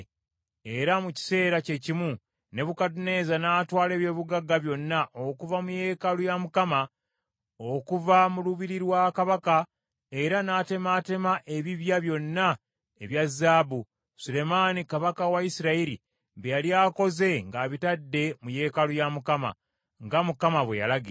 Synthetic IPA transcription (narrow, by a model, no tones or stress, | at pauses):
eɾamuci̥se̞ːɾace̞cimu | ne̞βukatune̞ːzanaːtwaːle̞ːβje̞ːβuɡaɡaβjo̞nːaʔo̞kuvamuje̞ːkalujamukama | o̞kuvamuluβiɾiɾwakaβaka | e̞ɾanaːte̞mate̞maʔe̞βiβjaβjo̞nːa | eβjazːaːbu | sule̞maːnikaβakawaisiɾaiɾḭ | βejaljaːko̞ze̞ŋɡaːβitadːe̞muje̞ːkalujamukama̰ | ŋɡamukamaβweja̰laɡi